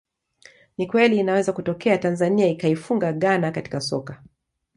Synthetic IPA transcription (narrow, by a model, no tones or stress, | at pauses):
nikwɛliːnawɛzakutɔkɛatanzaniaikaifuŋɡaɠanakati̥kasɔ̰ka